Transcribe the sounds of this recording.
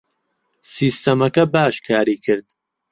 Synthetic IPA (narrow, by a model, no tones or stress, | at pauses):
siːst̪ɐmɐkɐbaːʃkʰaːɾiːkʰɨɾd̪